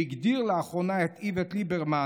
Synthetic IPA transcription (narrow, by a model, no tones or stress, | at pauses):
iɡd̪iʁleaχonaet̪ivet̪libeʁma